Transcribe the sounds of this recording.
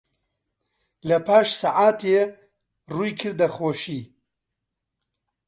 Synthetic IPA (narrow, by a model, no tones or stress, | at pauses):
lɐpʰaːʃsaʕaːt̪ʰe | ruːjkʰɨɾd̪ɐxoːʃiː